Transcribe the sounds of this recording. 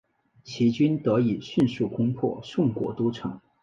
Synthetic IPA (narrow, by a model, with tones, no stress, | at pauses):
t͡ɕʰi˧˥t͡ɕy˥nt̪ɤ˧˥i˨˩ɕy˥˧nsu˥˩kʰʊ˥ŋpʰwɔ̰˥˩ʂʊ˥˩ŋkwɔ̰˧˥t̪u˥ʈ͡ʂʰɤ̰˧˥˦ŋ